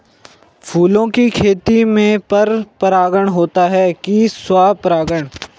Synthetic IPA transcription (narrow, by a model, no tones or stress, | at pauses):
pʰuːlõkikʰeːt̪imẽpɐɾpɾaːɡəɽ̃ɦoːt̪aɦɛkiswaːpɾaːɡəɽ̃